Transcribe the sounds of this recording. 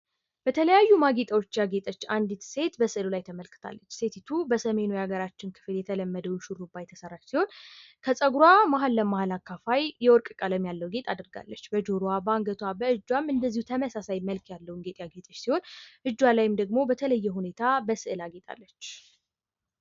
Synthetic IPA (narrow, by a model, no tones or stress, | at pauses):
b̥ət̪ʰələjajːumaɡet̪ʼawot͡ʃːjaɡe̞t̪ʼət͡ʃːand̪it̪se̞t̪bəsɨʔɨlulajt̪ʰəməlkʰɨ̥t̪ʰa̰lːət͡ʃːse̞t̪ʰit̪ʰubəsəme̞nujaɡəɾat͡ʃːɪnkʰɨ̥fɨljɛt̪ʰələmːəd̪əwʃuɾubːajt̪ʰəsəɾat͡ʃːsiho̞nkʰəsʼəɡɾwamaɦalːəmahalakʰːafajjɛwɔɾkʼkʼələmjalːəwɡe̞t̪ʼad̪ɨɾɡa̰lːət͡ʃːbəd͡ʒoɾwabaŋɡət̪ʰwabəʔɨd͡ʒːwamɨnd̪əzːihut̪ʰəməsasajməlkʰjalːəwunɡet̪ʼjaɡe̞t̪ʼət͡ʃːsiho̞nʔɨd͡ʒːwalajɪmd̪əɡmo̞bət̪ʰələjːɛɦune̞t̪ʰabəsɨʔɨlaɡe̞t̪ʼa̰lːət͡ʃː